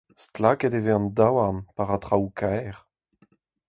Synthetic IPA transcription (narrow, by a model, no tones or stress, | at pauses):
stlakɛteveɑ̃ndawanpaʁatʁawkʰɛʁ